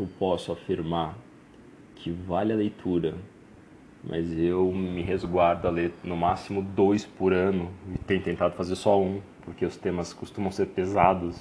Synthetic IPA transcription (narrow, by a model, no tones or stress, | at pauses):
ewpɔsʊafiɾmaɾ | kʰɪvalɪɐlejt̪ʰuɾɐ | mʔɐ̰zewmɪɦezɡwaɾd̪ʊalenʊmasimʊd̪ojspʊɾɐ̃nʊɪt̪ẽj̃ʊt̪ẽnt̪ad̪ʊ̥fazeɾsɔũpoɾkeʊst̪ẽmɐskʊst̪ũmɐ̃w̃seɾpezad̪ʊs